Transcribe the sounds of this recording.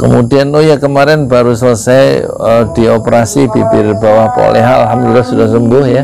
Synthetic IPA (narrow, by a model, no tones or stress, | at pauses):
kəmudianːojakəmaɾɪnbaɾusələsajəd̥i̤opəɾasibipɪrbawahpo̰lɛ̰ɦaa̰lɦamdulilːahsudahsumbʊhja